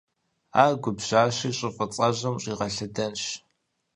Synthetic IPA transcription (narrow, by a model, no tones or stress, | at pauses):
aːɡʷʊbʑ̥aːɕiːɕʼɪfʼɐt͡sʼɐʑɐmɕʼiːʁɐɬɨdɐnɕ